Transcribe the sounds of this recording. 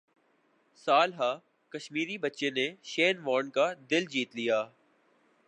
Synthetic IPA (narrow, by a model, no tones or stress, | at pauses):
saːlɦaː | kɐʃmiːɾibɐtːʃeneʃeːnʋaːnkad̪ɪld͡ʒiːt̪lijaː